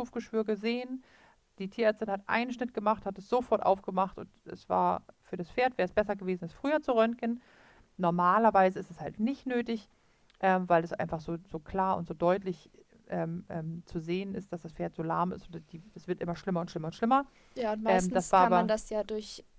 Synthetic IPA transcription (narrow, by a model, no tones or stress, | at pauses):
uːfɡ̥əʃv̥yːɐɡəzeːən | d̥iːtʰiːɐɛɐt͡stɪnhatʔa̰ɪnənʃnɪt̚ɡ̥əmaχthatɛsz̥ofɔɐtʔa̰ʊfɡ̥əmaχtʊntɛ̰sv̥a̰ːɐfyːɐɾasfeːɐtv̥ɛːɐɛsb̥ɛsɐɡəveːzn̩alsfʁ̥yːɐt͡suʁœntkən | nɔɐmaːlɐvaɪzəɪstɛshaltnɪçtnøːtɪç | ʔɛːmvaɪlasʔa̰ɪnfaχz̥oːzoːkʰl̥aːɐʔʊ̰ntz̥oːdɔʏtlɪç | ʔɛːmʔɛːmt͡suzeːənɪst̚d̥asd̥asfeːɐtz̥oːla̰ɐmɪ̰stʔond̥i̥ːɛsv̥ɪɐtʔɪmɐʃlɪmɐʊntʃlɪmɐʊntʃlɪmɐ | jaːʊntmɪɛːmnd̥asv̥aːʔabɐanndasjaːdʊɐç